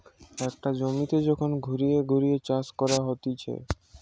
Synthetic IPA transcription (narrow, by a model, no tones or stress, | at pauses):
ɛk̚ʈad͡ʑomit̪ed͡ʑɔkʰonɡʱuɾijeɡʱuɾijet͡ɕaskɔɾaɦot̪it͡ɕʰḛ